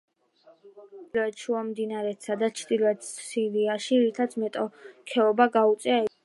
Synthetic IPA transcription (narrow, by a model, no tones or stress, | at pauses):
lɔɛt̪ʃuamd̪inaɾɛt̪sad̪at͡ʃʰd̪ilˠɔɛt̪siɾiaʃiɾit̪ʰat̪sʰmɛt̪ʼɔkʰɛɔbaɡaut̪sʼɛaɛ